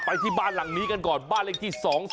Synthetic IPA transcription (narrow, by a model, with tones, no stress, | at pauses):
pa˧jt̪ʰi˥˩baː˥˩nla˨˩˦ŋniː˦˥ka˧nkɔː˨˩nbaː˥˩nle˥˧ŋt̪ʰi˥˩sɔː˩˦ŋ